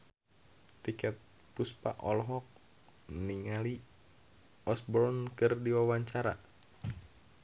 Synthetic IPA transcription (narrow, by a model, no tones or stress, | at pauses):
t̪ikɛt̪̚ | puspa̰ʔɔlɦɔk̚ | niŋali | ɔsbɔɾnkɨrdiwawaɲt͡ʃaɾa